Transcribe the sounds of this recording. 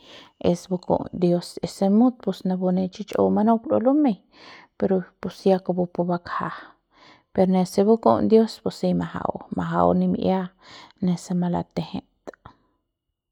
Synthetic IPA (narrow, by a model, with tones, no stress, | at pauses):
e˧sbu˧ko̰˨nd̪jo˦se˨se˧mu˦t̪̚pusna˧bu˧ne˧t͡ʃit͡ʃʼo̰˧wmano˦klo̰˧lu˦me | peɾopu˨sjakobu˧pu˧ba˧kha | peɾne˧se˧bu˦ko̰˦nd̪jo˦spusi˧maɦa̰wmaɦa̰wni˧mʔja˦ | ne˧sema˧la̰˧t̪eheʔt̪